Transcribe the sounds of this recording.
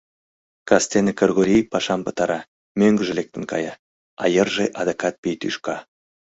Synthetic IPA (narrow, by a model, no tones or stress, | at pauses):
kɑst̪enekɤrɣoɾʲijpɑʃɑmpɤ̆t̪ɑɾɑ | møŋɡə̆ʒɘ̆lek̚t̪ə̆nkɑ̰jɑ | ɑjərʒeʔɑd̪ekɑt̪̚pijt̪yʃkɑ